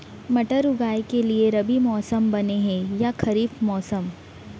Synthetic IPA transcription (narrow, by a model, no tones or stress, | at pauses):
mɐʈəɾʊɡaːikelieɾɐbimɔːsəmbɐneɦɛ̃jakʰɐɾiːfmɔːsəm